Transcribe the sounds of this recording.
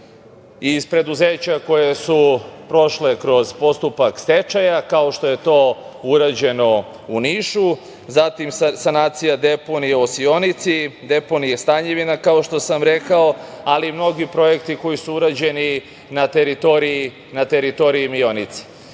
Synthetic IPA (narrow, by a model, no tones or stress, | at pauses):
izpɾe̞d̪uzeːt͡ɕako̞jesupɾo̞ʃle̞kɾo̞zpo̞st̪upakst̪et͡ʃajakaoʃt̪o̞je̞t̪o̞ː | uɾad͡ʑe̞no̞ | uniʃu | zat̪imssanaːt̪sijad̪epo̞nijeosio̞nit̪sid̪e̞po̞nijest̪aɲeʋinakao̞ʃt̪o̞samɾe̞kao̞alimno̞ɡipɾo̞je̞kt̪iko̞jisuuɾad͡ʑe̞ni | nat̪eɾit̪oɾiji | nat̪eɾit̪o̞ɾiimio̞nit̪si̥